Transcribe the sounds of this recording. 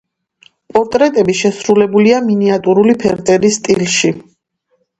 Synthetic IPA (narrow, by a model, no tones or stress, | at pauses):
pʼɔɾt̪ʼɾɛt̪ʼɛbiʃɛsɾulɛbuliaminiat̪ʼuɾulipʰɛɾt̪ʼɛɾist̪ʼilʃi